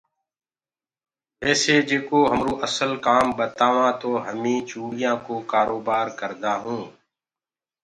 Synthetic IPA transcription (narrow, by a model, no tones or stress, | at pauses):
ɛːseːd͡ʒeːkoːɦəmɾũːʔəsəlkaːmbət̪aːʋãːt̪oːɦəmĩːt͡ʃuːɽɪjãːkoːkaːɾoːbaːɾkəɾd̪aːɦũː